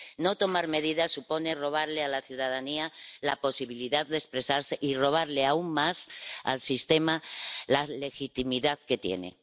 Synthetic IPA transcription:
no̞t̪o̞maɾme̞ðiðasupo̞ne̞ro̞β̞aɾle̞alaθjuðað̞aniala̰po̞siβiliðaððespɾe̞saɾseʔiro̞β̞aɾleauŋːasa̰lsist̪e̞malale̞xit̪imiðaðke̞t̪je̞̰nḛ

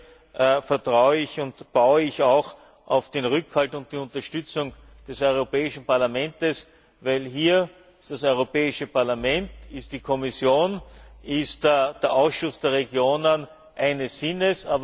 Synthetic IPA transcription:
ʔfɛɐtʁaʊəɪçʊntb̥aʊəɪçɑʊx | ʔɑʊfd̥enʁʏkhaltʊnt̚d̥iːʊ̃ntɐʃtʏt͡sʊŋ | d̥ɛsɔʏʁopɛːɪʃn̩paɐlamɛ̃ntəs | væɪlɦiːɐ | ɪstd̥asɔʏʁopɛːɪʃəpaɐlamɛntɪst̚d̥ikʰɔmɪsjoːnɪstd̥eːɐʔaʊsʃʊsd̥eːɐʁeɡjoːnən | ʔæɪnəsɪnəsaːb

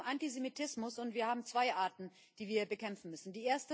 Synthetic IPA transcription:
ʔantizemitʰɪsmʊsʊntv̥iːɐhaːbm̩t͡sv̥aɪʔaːɐtn̩ | d̥iːviːɐbəkʰɛmfn̩mʏsn̩diːʔeːɐstə

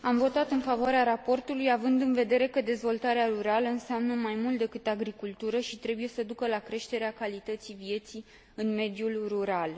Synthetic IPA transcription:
amvo̞t̪at̪ɨnfavoaɾeaɾapo̞rt̪ulujavɨnd̪ɨnve̞d̪e̞ɾe̞kəd̪e̞zvo̞lt̪aɾeaɾuɾaləɨnseamnəmajmult̪d̪e̞kɨt̪aɡɾikult̪uɾəʃit̪ɾe̞buje̞səd̪ukəlakɾe̞ʃt̪e̞ɾeakalit̪ət̪sivje̞t̪si | ɨnme̞d̪julruɾal

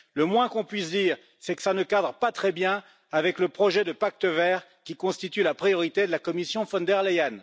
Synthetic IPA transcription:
ləmwɛ̃kɔ̃pɥisd̪iːʁ | sɛkə̥sanəkad̪ʁpat̪χɛbjɛ̃ | avɛkləpχɔʒɛd̪əpak̚t̪əvɛːʁ | kʲikɔ̃st̪it̪ylapχijɔʁit̪ed̪əlakɔmisjɔ̃fɔ̃d̪ɛʁlejan

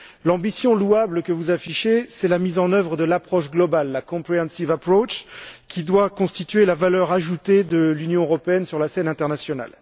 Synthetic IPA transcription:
lɑ̃bisjɔ̃luabləkəvuzafiʃesɛlamizɑ̃nœvʁəd̪əlapχɔʃɡlɔbalːakɔ̃pχeɑ̃nsivapχot͡ʃkʲid̪wakɔ̃st̪it̪ɥelavalœʁaʒut̪ed̪əlynjɔ̃øʁɔpeɛnsyʁlasɛnɛ̃t̪ɛʁnasjɔna̰l

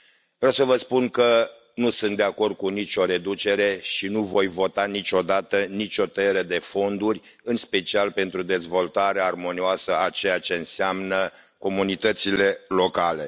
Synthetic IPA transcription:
vɾawsəvəspunkə | nusunt̪d̪eako̞rd̪̚kunit͡ʃʲo̞ɾe̞d̪ut͡ʃe̞ɾe̞ʃinuvo̞jvo̞t̪anit͡ʃo̞d̪at̪ənit͡ʃʲo̞t̪əeɾəd̪e̞fo̞nd̪urʲ | ɨnspe̞t͡ʃialpe̞nt̪ɾud̪e̞zvo̞lt̪aɾearmo̞nioasəat͡ʃe̞jat͡ʃe̞ɨnseamnə | ko̞munit̪ət̪sile̞lo̞kale̞

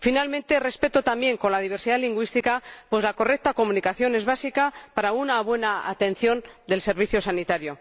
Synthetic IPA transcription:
finalmẽnt̪e̞re̞spe̞t̪ot̪ambje̞ŋko̞nlað̞iβ̞e̞ɾsiðaliŋɡwist̪ikapwe̞zlako̞rek̚t̪ako̞munikaθjo̞ne̞zβasikapaɾaunaβwe̞naa̰t̪e̞nθjo̞nd̪e̞lse̞ɾβiθjo̞sanit̪aɾjo̞

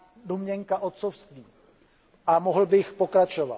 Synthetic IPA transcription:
domɲɛŋkaʔo̞t̪̚t͡sofst̪viː | ʔamoɦl̩bɪxpo̞kɾat͡ʃo̞va̰t

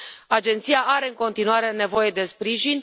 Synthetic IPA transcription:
ad͡ʒe̞nt̪sijaaɾe̞ɨŋko̞nt̪inuaɾe̞ne̞vo̞je̞d̪e̞spɾiʒinʲ

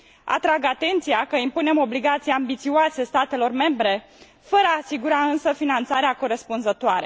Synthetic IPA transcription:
a̰t̪ɾaɡat̪e̞nt̪siakəimpune̞mo̞bliɡat̪sijeambit̪sioase̞st̪at̪e̞lo̞rme̞mbɾe̞ | fəɾəasiɡuɾaɨnsəfinant̪saɾeako̞ɾe̞spunzət̪oaɾe

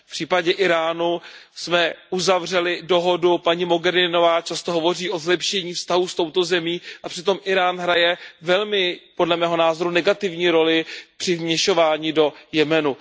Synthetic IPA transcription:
pr̥iːpaɟɛʔɪɾaːnusmɛʔuzavr̝ɛlɪdo̞ɦo̞dupaɲimo̞ɡɛɾɪno̞vaːt͡ʃast̪o̞ɦovo̞riːʔo̞zlɛpʃɛɲiːfst̪aɦust̪o̞wt̪o̞zɛmiːʔapr̥ɪt̪o̞mʔɪɾaːnɦɾajɛvɛlmɪpo̞dlɛmɛːɦo̞naːzoɾunɛɡat̪ɪvɲiːɾo̞lɪpr̥ɪvmɲɛʃo̞vaːɲiːdo̞jɛmɛnu

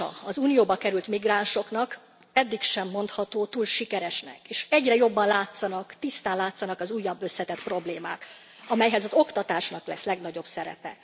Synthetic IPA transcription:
ɒ̰ɒzuːnijoːbɒkɛɾylt̪miɡraːnʃo̞knɒk | ɛd̪ːikʃɛmːo̞nt̪hɒt̪oːt̪uːlʃikɛɾɛʃnɛ̰keːʃɛɟrɛjo̞bːɒnlaːt̪sɒnɒkt̪ist̪aːnlaːt̪sɒnɒkɒzuːjːɒbːø̞sːɛt̪ɛt̪pro̞bleːma̰ːk | ɒmɛjɦɛzɒzo̞kt̪ɒt̪aːʃnɒklɛslɛɡnɒɟo̞bsɛɾɛ̰pɛ̰

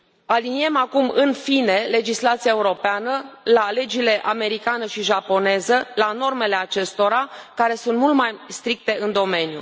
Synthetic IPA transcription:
alinie̞makumɨnfine̞le̞d͡ʒislat̪siaeuɾo̞peanəlale̞d͡ʒile̞ʔame̞ɾikanəʃiʒapo̞ne̞zəlano̞rme̞le̞at͡ʃe̞st̪o̞ɾakaɾe̞sunt̪mult̪majst̪ɾik̚t̪e̞ɨnd̪o̞me̞njṵ

